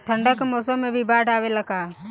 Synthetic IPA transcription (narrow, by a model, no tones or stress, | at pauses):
ʈʰə̃ɳɖəkmoːsə̃mːẽbʱibaːɖʱaːweləɡaː